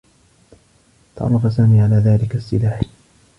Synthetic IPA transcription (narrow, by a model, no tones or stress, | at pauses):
t̪ɑ̰ʕɾˤːɑfas̬aːmiːʕalaːðaːlɪkasːɪlaːħ